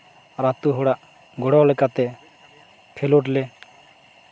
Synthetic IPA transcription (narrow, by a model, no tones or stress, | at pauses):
ɾat̪uɦɔɽaʔ | ɡɔɽɔlɛkat̪ɛ | pʰeloʈle